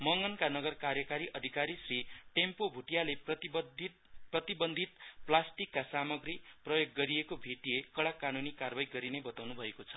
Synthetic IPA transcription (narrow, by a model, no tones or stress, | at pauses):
mʌŋɡʌnkanʌɡʌrkarjʌkaɾiʔʌd̪ʱikaɾisriʈempobʱuʈijalepʌ | prʌt̪ibʌnd̪ʱit̪̚plasʈikːasamʌɡriprʌjoɡːʌɾiekobʱeʈiekʌɽakːanunikarbajɡʌɾinebʌt̪awnubʱʌekot͡sʰʌ̥